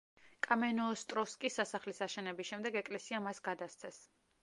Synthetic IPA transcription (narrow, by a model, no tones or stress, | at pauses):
kʼamɛnɔːst̪ʼɾɔskʼisasaχlisaʃɛnɛbisʃɛmd̪ɛɡɛkʼlɛsiamasɡad̪ast̪sʰɛs